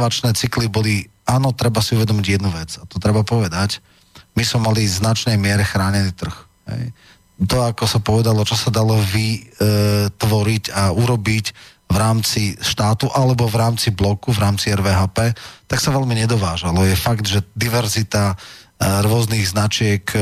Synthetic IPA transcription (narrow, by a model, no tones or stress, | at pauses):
ʋat͡ʃnɛːt͡siklibɔli | aːnɔt̪ɾɛbasiuʋɛd̪ɔmiɟjɛd̪nuʋɛd͡zat̪ɔt̪ɾɛbapɔʋɛd̪ac | mismɛmaliznat͡ʃnɛjmɪɛɾɛxɾaːɲɛniːt̪r̩x | ɦɛ̰j | t̪ɔakɔsapɔʋɛd̪alɔt͡ʃɔsad̪alɔʋi | t̪ʋɔɾiɟauɾɔbic | ʋɾaːmt͡siʃt̪aːt̪uʔalɛbɔvɾaːmt͡siblɔkuvɾaːmt͡siɛɾʋɛːɦaːpɛːt̪aksaʋɛlmiɲɛd̪ɔʋaːʒalɔjɛfaɡd̪ʒɛd̪iʋɛɾzit̪a | ɾʊɔzniɣznat͡ʃɪɛk